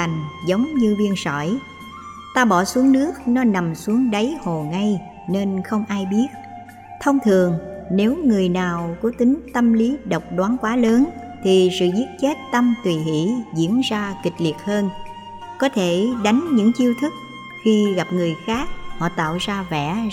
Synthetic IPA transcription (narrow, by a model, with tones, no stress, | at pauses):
a˨˩ŋ̟zə˨˦wŋ͡mɲɨ˧vi˧ənsɔ̰˧˩˨j | t̪aː˧ɓɔ˧˩su˨˦əŋnɨ˦˥ək̚nɔ˨˦na˨˩msu˨˦əŋɗə˨˦jho˨˩ŋa˧j | ne˧nxə˧wŋ͡mʔaː˧jɓi˦˥ət̚ | t̪ʰə˧wŋ͡mt̪ʰɨ˨˩əŋne˨˦wŋɨ˨˩əjnaː˨˩wkɔ˨˦t̪ï˨˦ŋ̟t̪ə˧mli˨˦ɗə˨˩wk͡p̚ɗwaː˨˦nkwaː˨˦ləː˨˦n | t̪ʰi˨˩sɨ̰˧˨zi˦˥ət̚t͡ɕe˦˥t̚t̪ə˧mt̪wi˨˩ɦḭ˧˥zḭ˧˥ənzaː˧kï˨˩k̟̚li˨˩ət̚həː˧n | kɔ˨˦t̪ʰe˧˩ɗa˨˦jŋ̟ɲɨ̰˧˥ŋt͡ɕi˧əwt̪ʰɨ˦˥k̚ | xi˧ɣa˨˩p̚ŋɨ˨˩əjxaː˦˥k̚hɔ̰˧˨t̪a̰ː˧˨wzaː˧vɛ̰˧˩˥